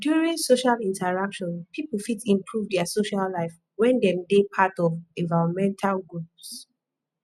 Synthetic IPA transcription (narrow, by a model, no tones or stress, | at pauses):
djuɹĩŋsoʃalĩntaɹakʃɔ̃npʰipfitĩmpʰɹuvdɛasoʃalːaɪf | wɛ̃ndɛ̃mdepʰatɔvɛ̃nvaɹɔ̃nmɛ̃ntʰalɡɹups